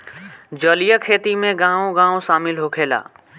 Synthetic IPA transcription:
d͡ʒəːlijəkʰeːt̪imẽɡãːõɡãːõʃaːmɪlɦoːkʰeːla̰ː

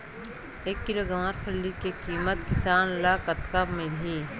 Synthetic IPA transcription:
eːkːiloɡɐʋaːɾpʰɐllikekiːmət̪kɪsaːnlaːkɐt̪kabmelɦiː

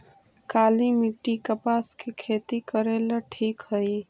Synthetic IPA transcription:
kalimiʈːikəpaskekʰet̪ikəɾeləʈʰikɦəj

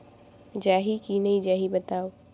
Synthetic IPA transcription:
d͡ʒaːɦikinɐɦĩd͡ʒaːɦibɐt̪aːo

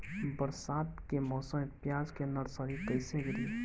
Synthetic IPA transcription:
bəɾsaːt̪kemɔːsə̃mpjaːd͡ʒkenəɽsəɾit̪əɪseɡəɾiː

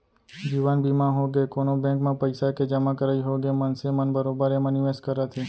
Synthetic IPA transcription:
d͡ʒiʋanbimãɦoɡekonobɛ̃kmãpəjsaked͡ʒəmakəɾaiɦoɡemənsemənbəɾobəɾeməniʋeskəɾat̪ʰi

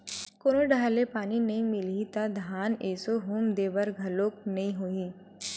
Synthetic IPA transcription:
koːnoɖʱaːlepaːninɐɦĩmɪlit̪ad̪ʱaːneːsoɦuːmd̪eːbəɾɡʱɐloːk̚nɐɦĩɦoːi

